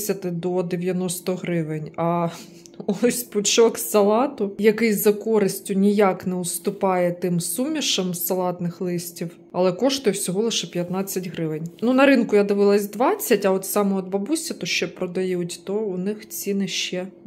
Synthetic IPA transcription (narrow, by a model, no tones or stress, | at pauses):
sʲɐt̪ɪd̪ɔd̪eʋʲjɐnɔst̪ɔɦɾɪʋɪnʲɐ | ɔɔsʲpʊt͡ʃɔksɐlˠɑt̪ʊjɐkɪjzɐkɔɾɪsʲtʲʊnʲijaknɛʊst̪ʊpɑjɛt̪ɪmsumʲiʃɐmsɐlˠɑt̪nɪxlˠɪsʲtʲiw | ɐlˠɛkɔʃt̪ʊjɛwsʲɔɦɔlˠɪʃɛpʲjɐt̪nɑt͡sʲːɐtʲɦɾɪʋɪnʲnunɐɾɪnkʊjad̪ɪʋɪlˠɐsʲd̪ʋɑt͡sʲːɐtʲɐɔt̪sɑmɔɔd̪ʋɐbusʲɐt̪ɔʃt͡ʃɛpɾɔd̪ɐjutʲt̪ɔʊnɪxt͡sʲinɪʃt͡ʃɛ